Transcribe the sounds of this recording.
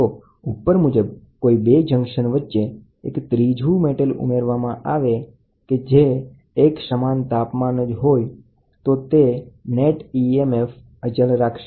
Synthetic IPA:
o | upːəɾmud͡ʒəb | koibed͡ʒəŋɡʃənʋətːʃe | ekt̪ɾid͡ʒʱumeʈəlṵmeɾʋamãʔaʋe | ked͡ʒeː | ksəmant̪apmanəd͡ʒɦoj | t̪ot̪eneʈiemef | ət͡ʃəlɾakʰʃe

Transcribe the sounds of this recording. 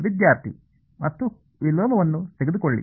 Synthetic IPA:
ʋid̪jaːɾt̪ʰḭ | mɐt̪ːu | ʋilɔːmɐʋɐnːuseɡed̪ukoɭːḭ

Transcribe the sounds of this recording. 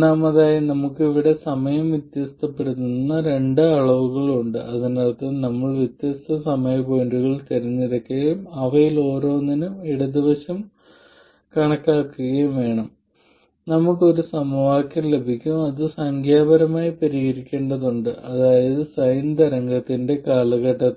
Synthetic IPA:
naːmɐðaːjɐnɐmukːiʋiɽe̞sɐmɐjɐmʋit̪jɐst̪ʰɐpːeɽut̪ːunːɐɾe̞ɳɖɨɐɭɐʋuɣɐɭuɳɖɨʔɐðinaːɭt̪ɐnɐmːɐɭʋit̪jɐst̪ʰɐsɐmɐjɐko̞ːnɖuɣɐɭt̪ɐɾunːiɾɐkːuɣɐjumɐʋɐjilo̞ːɾo̞ːnːinuiɽɐd̪iʋɐɕɐm | kɐɳɐkːaːkːuɣɐjumʋe̞ːɳɐm | nɐmukːo̞ɾusɐmuʋaːkʲːɐmle̞bʱikʲːumɐðɨsɐŋkʰjaːbɐɾɐmaːjipɐɾiɣɐɾikʲːe̞ːɳɖɐðuɳɖɨʔɐðaːjɐðɨsɐjnd̪ɐɾɐŋɡɐt̪ːinde̞kaːlɐɣɐʈːɐ

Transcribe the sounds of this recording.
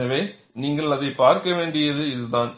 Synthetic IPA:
ɐʋeː | niːŋɡɐɭɐðɐɪpaːɾkɐʋeːɳɖɪjɐðɯɪðɯðaːn

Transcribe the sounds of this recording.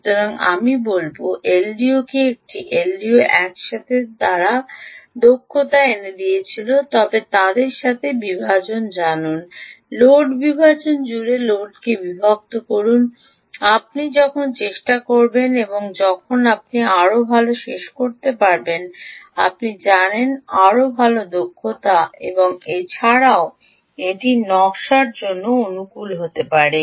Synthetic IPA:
ut̪oɾaŋa̰mibolboʔelɖiokeek̚ʈiʔelɖioʔɛkʃat̪ʰet̪aɾad̪okʰːot̪aened̪ijet͡ɕʰilot̪ɔbet̪ad̪eɾʃat̪ʰebibʱat͡ɕond͡ʑanunloɖbibʱat͡ɕond͡ʑuɾeloɖkebibʱab̚t̪okoɾun | ap̚nid͡ʑɔkʰont͡ɕeʃʈakoɾbeneboŋd͡ʑɔkʰonap̚niaɾobʱaloʃeʃkoɾt̪epaɾbenapnid͡ʑanenaɾobʱalod̪okʰːot̪aḛboŋet͡ɕʰaɽao | eʈinɔʃaɾd͡ʑonːoonukulɦot̪epaɾe

